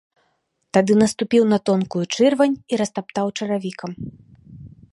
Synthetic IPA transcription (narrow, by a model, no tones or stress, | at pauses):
t̪ad̪ɨnɐst̪upʲiwnɐt̪ɔnkujut͡ʂɨrvɐnʲiɾɐst̪apt̪awt͡ʂɐɾavʲikɐm